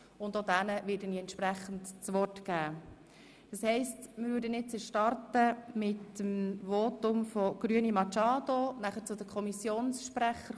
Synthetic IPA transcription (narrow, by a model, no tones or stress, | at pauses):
ʊndodænəʋɪːɾdəniɛntʃpɾæχən̩tt͡sʋɔrtɡ̥æː | d̥əshɛɪstmɪɾvøːɾdənɪtt͡sɛʃtɑrtəmɪtːəmvoːtʊmfɔɡ̥ɾyənimɑt͡ʃɑːdonæχəɾt͡sʊd̪əkʰχɔmisjoːnsʃpɾæχəɾ